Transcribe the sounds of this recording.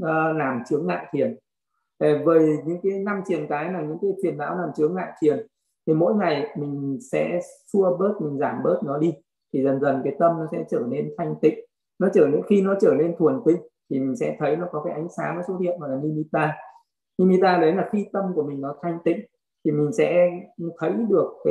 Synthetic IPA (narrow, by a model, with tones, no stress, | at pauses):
laː˨˩mt͡ɕɨ˨˦əŋːa̰ː˧˨jt̪ʰi˨˩ən | te˨˩vəː˨˩jɲɨ̰˧˥ŋkaː˨˦jna˧mt͡ɕi˨˩ənkaː˨˦jlaː˨˩ɲɨ̰˧˥ŋkaː˨˦jt̪wi˨˩ənːa̰ː˧˥wlaː˨˩mt͡ɕɨ˨˦əŋːa̰ː˧˨jt̪ʰi˨˩ən | t̪ʰi˨˩mo̰˧˥jŋa˨˩jmï˨˩ŋ̟sɛ̰˧˥su˧əɓəː˦˥t̚mï˨˩ŋ̟zaː˧˩mɓə˦˥t̚nɔ˨˦ɗi˧ | t̪ʰi˨˩zə˨˩nzə˨˩nkaː˨˦jt̪ə˧mnɔ˨˦sɛ̰˧˥t͡ɕəː˧˩ne˧nt̪ʰa˧jŋ̟t̪ḭ̈˧˨ŋ̟ | nɔ˨˦t͡ɕəː˧˩ne˧˥nxi˧nɔ˨˦t͡ɕəː˧˩ne˧nt̪ʰu˨˩ənt̪ï˧˨ŋ̟t̪ʰi˨˩mï˨˩ŋ̟sɛ̰˧˥t̪ʰə˨˦jnɔ˨˦kɔ˨˦kaː˨˦jʔa˨˦jŋ̟saː˨˦ma˨˦jso˨˦t̪ʰḭ˧˨əmvaː˨˩klaː˨˩i˧mi˧t̪aː˧ | ni˧mi˧t̪aː˧ɗə˨˦jlaː˨˩xi˧t̪ə˧mku˧˩əmi˨˩ŋnɔ˨˦t̪ʰa˧jŋ̟t̪ḭ̈˧˨ŋ̟ | t̪ʰi˨˩mï˨˩ŋ̟sɛ̰˧˥t̪ʰə˨˦jɗɨ˨˩ək̚ːaː˨˦